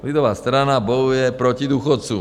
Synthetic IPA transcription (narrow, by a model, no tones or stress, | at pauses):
lid̪ɔʋaːst̪ɾanabɔjujɛpɾɔcid̪uxɔt͡sṵ